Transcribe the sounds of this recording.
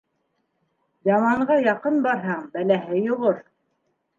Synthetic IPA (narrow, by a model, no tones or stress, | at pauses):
j̪ɑmɑɴɢɑjɑqɤnbɑɾɦɑɴbælæɦɘjoʁoɾ